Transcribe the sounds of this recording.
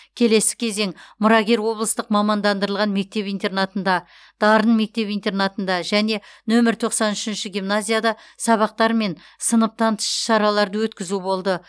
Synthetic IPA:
kʲʰe̞le̞sɪ̥kʲʰe̞ze̞ŋmʊɾɑɡʲe̞ɾwo̞blˠəst̪əqmɑmɑnd̪ɑnd̪əɾəlˠʁɑnme̞k̚t̪e̞pijnt̪e̞rnat̪ənd̪ɑ | d̪̥ɑɾənme̞k̚t̪e̞pijnt̪e̞rnat̪ənd̪ɑʒæne̞nɵmɪɾt̪ʰo̞qsɑnʏʃɪnʃɪɡʲimnazʲijad̪ɑ | sɑβɑq̚t̪ɑɾme̞n | sənəp̚t̪ʰɑnt̪ə̥ʃə̥ʃɑɾɑlˠɑɾd̪əwɵt̪kʲɪzubo̞lˠd̪ə

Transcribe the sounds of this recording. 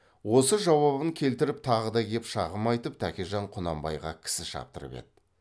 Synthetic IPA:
wo̞səʒɑwɑβəŋkʲʰe̞lt̪ɪɾɪp̚t̪ʰɑʁəd̪ɑɡʲepʃɑʁəmɑjt̪əp̚t̪ʰækʲeʒɑɴqʰʊnɑ̰mbɑ̰jʁɑkʲʰɪ̥sɪʃɑ̰p̚t̪ə̰ɾə̰pe̞̰d̪̚ɪ

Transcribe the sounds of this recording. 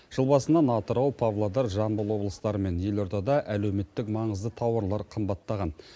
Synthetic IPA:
ʒ̥əlˠbɑsənɑnɑt̪əɾɑwpʰavlˠad̪ɑɾʒɑnbəlˠwo̞blˠəst̪ɑɾəme̞nje̞lo̞ɾt̪ɑd̪ɑʔælewme̞t̪ːɪkmɑɴəzd̪ət̪ʰɑwɑɾlˠɑɾqʰəmbɑt̪ːɑʁɑn

